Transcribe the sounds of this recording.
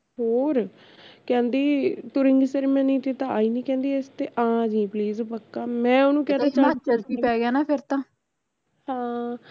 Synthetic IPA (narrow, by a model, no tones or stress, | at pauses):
ɦoːɾ | kɛ̃ːnd̪iːt̪ʊɾɪ̃ŋɡseɾmɛ̃ːnĩːt̪eːt̪ãaːiːnĩːkɛ̃ːnd̪iːest̪eːʔãːd͡ʒĩːpliːzpəkːaːmɛ̃ːʊnũːkɛːaːt͡ʃaat͡ʃəɾt̪iːpɛːɡjaːnaːpʰɪɾt̪ãː | hãː